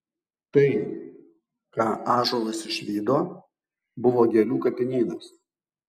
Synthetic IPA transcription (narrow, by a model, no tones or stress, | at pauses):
t̪ɐɪ | kɑːʔɑːʒoːlˠɐsɪʃʲʋʲiːd̪oː | bʊʋoːɡʲeːlʲuːkɐpʲɪnʲiːnɐs